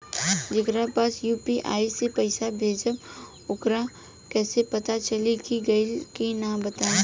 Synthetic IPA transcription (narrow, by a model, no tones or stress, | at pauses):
d͡ʒɪkɾapaːsjuːpiʔa̰ːisepɐɪsabʱeːd͡ʒəb | ʊkɾã | kɛːsepɐt̪at͡ʃɐlikiɡɐilkinãbɐt̪a